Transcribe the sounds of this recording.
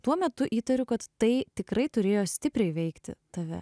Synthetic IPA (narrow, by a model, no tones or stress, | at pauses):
t̪uɔmʲɛt̪ʊʔiːt̪ɐɾʲʊkɐt̪ːɐɪt̪ʲɪkrɐɪt̪ʊɾʲeːjoːsʲt̪ʲɪpʲɾʲɛɪʋʲɛɪkt̪ʲɪ̰t̪ɐʋʲɛ̰